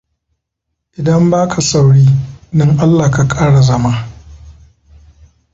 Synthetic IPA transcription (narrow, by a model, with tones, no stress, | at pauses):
ʔɪ˨dɐ˦mbaː˦kʰa˨sa˨wɽiː˦nɪ˦ŋʔa˦lːaː˨ka˨kʼaː˦ɽa˨zɐ˦maː˦